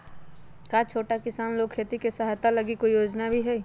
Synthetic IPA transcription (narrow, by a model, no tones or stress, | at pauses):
kat͡ʃʰoːʈakɪsaːnloːɡ̚kʰːeːt̪ikesaɦat̪aləɡikoijoːd͡ʒnabʱiɦɛi